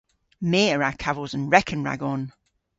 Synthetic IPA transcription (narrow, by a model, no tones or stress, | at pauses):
meːɹakʰavəzə̃nɹɛkʰə̃nɹa̰ɡɔn